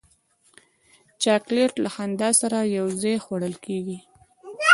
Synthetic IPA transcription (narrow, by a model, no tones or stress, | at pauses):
t͡ʃɑkleʈlaxand̪ɑsaɾajawzejxwaɽəlkeɡi